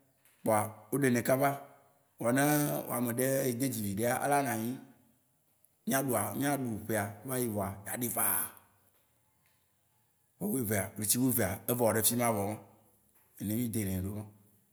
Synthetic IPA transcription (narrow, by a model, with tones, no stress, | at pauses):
k͡pɔ˨a˨wo˦ɖe˨nɛ̃˨ka˦va˦ | wa˨nẽ˦wo̰˨a˨mẽ˨ɖe˦e˨d̪e˦d͡ʑi˨vi˨ɖe˦a˦ʔa̰˦la˦ŋã˨ɲĩ˦ | mĩ˦ã˦ɖu˨a˨mĩ˦ã˦ɖu˨ɸe˨a˨˦va˦ji˦vɔ˨a˨ɲ˨a˨ɖe˦va˦˨ | wo˨˦we˦˨ve˨a˨wle˨t͡ɕi˦we˦ve˨a˨e˦vɔ˨wɔ˨ɖe˦fi˦m˦ã˦vɔ˨mã˦ | e˨nẽ˦mĩ˦d̪e˨nẽ˨ɖo˦mã˦